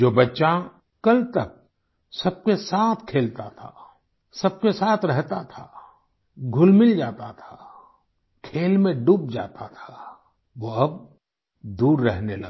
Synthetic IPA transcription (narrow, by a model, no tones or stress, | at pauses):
d͡ʒoːbɐtːʃa | kɐlt̪ɐk̚ | sɐb̚kesaːt̪ʰkʰeːlt̪at̪ʰa | sɐb̚kesaːt̪ʰɾɛɦt̪at̪ʰa | ɡʱʊlmɪld͡ʒaːt̪at̪ʰa | kʰeːlmẽɖuːb̚d͡ʒa̰ːt̪at̪ʰa | ʋoɐb̚ | d̪uːɾːɛɦnelɐɡ